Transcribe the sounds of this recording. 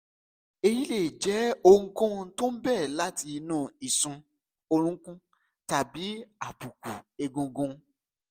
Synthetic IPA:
e˧ji˦le˦˨d͡ʒɛ˨˦o˧ŋũ˦kũ˦˧to˦m̩˦bɛː˦˨la˦ti˧nũː˦˨i˨sũ˧ | o˧ɾ̃ũ˦kũ˦ | ta˨bi˨˦a˨bu˨ku˨e˧ɡõ˧ɡũ˧

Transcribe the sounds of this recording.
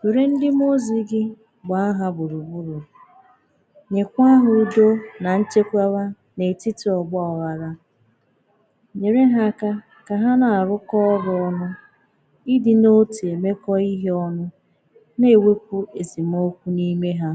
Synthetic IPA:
me˨ɾe˦n̩˦dɪ˦m˦o˦zi˦ɡɪ˦ | ɡ͡ba˨˦a˦ɦa˦bʊ˨ɾu˨bu˦ɾu˨ | ɲe˨kʷa˦ɦʊ˨˦do˦na˨n̩˦t͡ʃe˦kʷa˦wa˦ | ne˨tɪ˦tɪ˨ɔ˨ɡ͡bɔ˦ɔ˨ɣa˨ɾa˦ | ɲe˨ɾe˦ɦa˦˨ka˦ | ka˨ɦa˦na˨a˨ɾʊ˦kɔ˦ɔ˦ɾʊ˨ɔ˦nʊ˦ | ɪ˦dɪ˦no˦te˨me˦kɔ˦i˦ɦe˦ɔ˦nʊ˦ | ne˦˨we˦kʷu˦e˨zi˨m˦o˦kʷu˦ni˦me˦ɦa˦

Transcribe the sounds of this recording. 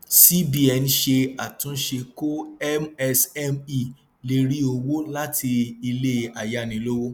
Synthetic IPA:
si˦bi˦ɛ˧n̩˦ʃe˧a˨tũ˨˦ʃe˧ko˦ɛ˦mɛ˧sɛ˦mi˨ | le˧˦ɾi˦o˧wo˦la˦tʰi˧i˧le˦˨a˨ja˦˨nĩ˨˦lo˦wo˦

